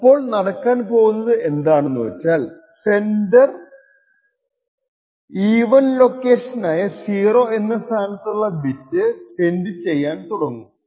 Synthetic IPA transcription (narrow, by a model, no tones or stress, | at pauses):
ɐpːo̞ːɭnɐɽɐkːaːnpo̞ːɣunːɐðɨe̞nd̪aːɳɨnːuʋɐt͡ɕːaːl | se̞ndɐr | iːʋɐnlo̞kːe̞ːʂɐnaːjɐsiːro̞ːe̞nːɐst̪ʰaːnɐt̪ːuɭːɐbitːɨt̪e̞ndɨt͡ɕe̞jːaːnt̪uɽɐŋːu